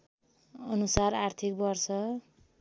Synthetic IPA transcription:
ʌnusaɾart̪ʰik̚bʌrsʌ

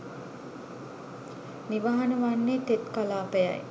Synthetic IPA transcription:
niʋaɦanəʋanːet̪et̪kalaːpeja̰j

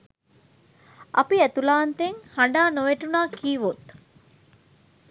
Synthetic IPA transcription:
ʔɐpiæt̪ulaːnt̪eŋhɐɳɖaːnoʋeʈunaːkiːʋot̪

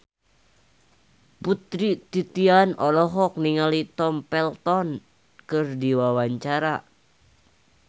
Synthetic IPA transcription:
put̪ɾit̪it̪ianɔlɔɦɔk̚niŋalit̪ɔmpɛlt̪ɔn | kɨrdiwawaɲt͡ʃaɾa

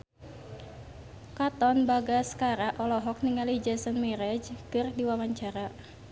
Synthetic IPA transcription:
kat̪ɔnbaɡaskaɾaʔɔlɔɦɔk̚niŋalid͡ʒasənmɛɾɛd͡ʒkɨrdiwawaɲt͡ʃaɾa

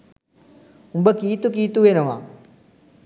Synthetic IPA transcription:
ũmbəkiːt̪ukiːt̪uʋenɐʋã̰ː

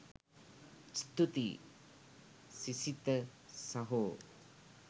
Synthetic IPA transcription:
st̪ut̪i | sisit̪ɐ | sɐɦo

